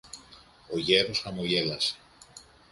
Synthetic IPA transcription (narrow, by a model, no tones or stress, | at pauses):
oʝeɾosamuʝelas